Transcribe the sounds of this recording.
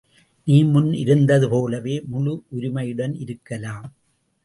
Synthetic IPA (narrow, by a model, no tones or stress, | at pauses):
niːmʊnɪ̰ɾɯnd̪ɐðɯpoːlɐʋeːmʊlʊʔʊɾɪmɐjɯɽɐnɪɾɯkːɐlaːm